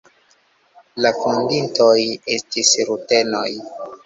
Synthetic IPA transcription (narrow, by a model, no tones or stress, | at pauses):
lafundinto̞je̞stisɾute̞no̞j